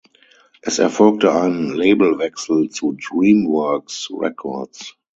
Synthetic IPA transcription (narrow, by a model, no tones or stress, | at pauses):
ʔɪsɛfɔlk̚təãɪ̃nleɪbəl̩vɛksl̩tudɹĩːmwɜ˞ksɹɛ̰kʰɔ̰ds